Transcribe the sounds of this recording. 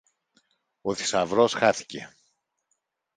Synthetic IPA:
oði̥sɐvɾo̞sxɐθi̥ce̞̰

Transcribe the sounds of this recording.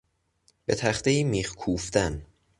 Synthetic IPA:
b̥e̞t̪ʰæχt̪ejiːmiːxkʰuːft̪æn

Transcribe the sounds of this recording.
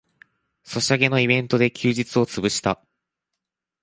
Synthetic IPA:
so̞ɕiaɡe̞no̞ibẽ̞nt̪o̞d̪e̞kʲʰɨːʑit͡sɨo̞t͡sɨbɯ̟ɕi̥t̪a

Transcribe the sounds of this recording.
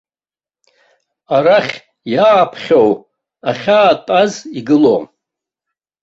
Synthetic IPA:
aɾaχʲ | jaːpʰχʲow | aχʲaːtʼaziɡɨlo̰m

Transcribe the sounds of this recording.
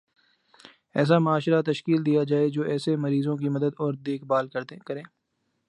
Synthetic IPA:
ɛ̰ːs̬amʊaːʃɾat̪ɐʃkiːld̪ijad͡ʒaːed͡ʒoːʔɛːsemɐɾiːzõk̬imɐd̪əd̪ɔːɾd̪eːkbaːlkɐkɐɾẽː

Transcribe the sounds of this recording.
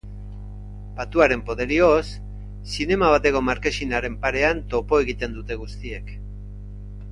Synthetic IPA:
bat̪uaɾe̞mpo̞ðe̞ɾiosː | ine̞maβat̪e̞ko̞maɾke̞sinaɾe̞mpaɾe̞ant̪o̞po̞e̞ɣit̪e̞nd̪ut̪e̞ɣust̪ie̞k

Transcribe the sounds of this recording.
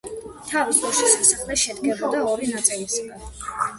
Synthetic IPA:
t̪ʰavisdɔʃisasaχlɛʃɛd̪ɡɛbɔd̪aɔɾinat̪sʼiliskɛ

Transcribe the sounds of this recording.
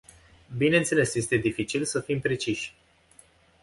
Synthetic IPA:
bine̞nt̪se̞le̞sje̞st̪e̞d̪ifit͡ʃilsəfimpɾe̞t͡ʃiʃʲ

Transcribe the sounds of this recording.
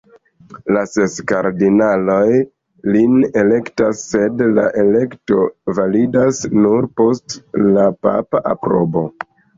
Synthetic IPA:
lase̞skaɾdinalo̞j | line̞le̞ktasːe̞dla̰ʔe̞le̞kto̞validasnuɾpo̞stlapa̰paʔapɾo̞̰bo̞

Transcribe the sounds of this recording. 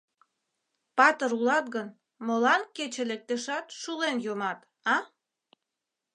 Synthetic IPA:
pɑt̪əɾulɑt̪ɣən | molɑnket͡ɕelek̚t̪eʃɑt̪ʃulenjomɑt̪ | ɑ

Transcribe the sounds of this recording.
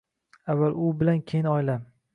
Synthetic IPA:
avːalʊbɪlankʲʰenɒjlam

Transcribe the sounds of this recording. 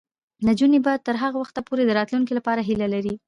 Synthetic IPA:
nad͡ʒunebɑjad̪̚t̪əɾɦaɣawaxt̪apoɾed̪əɾɑt̪luŋkilapɑɾaɦilalaɾi

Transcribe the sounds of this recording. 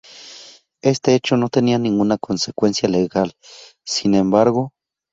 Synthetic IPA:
est̪eet͡ʃonot̪enianiŋɡunakʰonsekwensjaleɣal | sinembaɾɣo

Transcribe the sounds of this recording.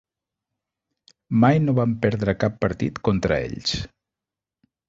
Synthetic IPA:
majnoβampɛɾðɾəkapːəɾt̪ḭt̪kont̪ɾə̰ḛʎs

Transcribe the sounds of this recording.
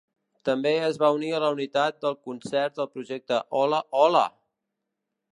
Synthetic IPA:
t̪əmbeəzβauniələunit̪at̪̚d̪əlˠkunsɛɾt̪̚d̪əlˠpɾuʒɛk̚t̪əʔɔləʔɔlə̰

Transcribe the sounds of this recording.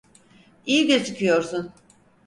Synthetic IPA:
ijiɟiɾt͡ʃʰɯkʰɯjo̞ɾsun

